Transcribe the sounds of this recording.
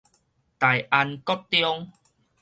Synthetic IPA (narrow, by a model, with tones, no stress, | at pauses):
t̪a˨jʔa˧nkɔ˦t̚t̪jɔ˦ŋ